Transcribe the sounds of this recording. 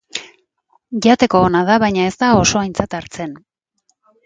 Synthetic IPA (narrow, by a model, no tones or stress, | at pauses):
ʝat̪e̞ko̞ːnað̞aβajɲae̞zt̪ao̞so̞ajnt͡sat̪aɾt͡se̞n